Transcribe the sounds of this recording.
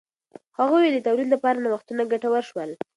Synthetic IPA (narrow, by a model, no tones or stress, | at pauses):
haɣujed̪ət̪awlid̪lapɑɾanawaxt̪unaɡaʈawəɾʃwəl